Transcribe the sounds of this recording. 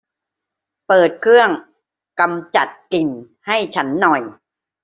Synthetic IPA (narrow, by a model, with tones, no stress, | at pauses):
pɤː˨˩t̪̚kʰɾɯ˥˩əŋ | ka˧mt͡ɕa˨˩t̪̚ki˧n | ha˥˩jt͡ɕʰa˦˥nːɔ˨˩j